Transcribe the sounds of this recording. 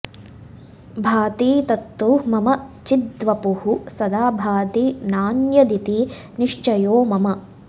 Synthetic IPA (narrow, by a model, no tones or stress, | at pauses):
bʱaːt̪iːt̪ɐt̪ːumɐmɐt͡ʃid̪ʋɐpuhusɐd̪aːbʱaːt̪inaːnjɐd̪it̪i | niʂt͡ʃɐjoːmɐmɐ